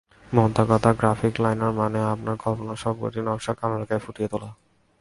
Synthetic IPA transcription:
mɔɦt̪akɔt̪aɡɾafiklajnaɾmaneapnaɾɡʱɔponaʃɔb̚ɡo̰t̪inɔmʃakalaɾakajfuʈijet̪ola

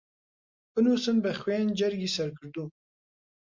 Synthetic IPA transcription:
ɨnusɨnbəxweːnd͡ʒɐɾɡisɐɾkʰɨɾd̪u

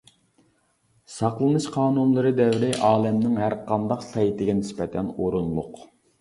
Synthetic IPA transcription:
sɑqlˠɨnɨʃqʰɑːnunlˠɨɾɨd̪ɛwɾɪʔɑːlˠɛmnɪŋɦæɾqɑnd̪ɑqt̪ʰɑjit̪ɪɡʲɛnɪspɛt̪ʰɛnoɾunlˠʊq

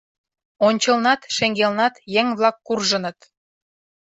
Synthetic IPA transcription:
onʲt͡ɕɤlnɑt̪ʃeŋɡelnɑt̪jeŋβlɑkːurʒə̆nə̆t̪

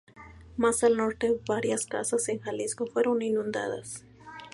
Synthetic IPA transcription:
masalno̞ɾt̪eβaɾjaska̰saseŋxaliskofweɾoninũnd̪a̰ða̰s

